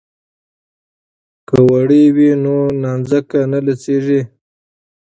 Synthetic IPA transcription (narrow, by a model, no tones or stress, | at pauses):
kawaɽiwinonɑnzakanalaseʐi